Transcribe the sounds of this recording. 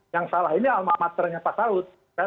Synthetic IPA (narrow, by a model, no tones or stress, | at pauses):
jaŋsalaɦinialmamat̪ərɲapasaʊt̪̚ | ka